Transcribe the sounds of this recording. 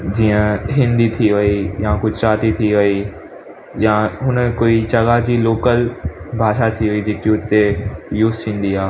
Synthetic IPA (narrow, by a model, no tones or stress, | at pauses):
d͡ʑiːə̃ɦɪ̃nd̪it̪ʰiʋɐijakʊd͡ʑʱɾaːt̪it̪ʰiʋɐi | jaɦʊnəkoːit͡ɕɐɠad͡ʑiːloːkəlbʱaːʃat̪ʰiʋɐid͡ʑeːkiʊt̪ejuːzt̪ʰĩːn̆d̪iaː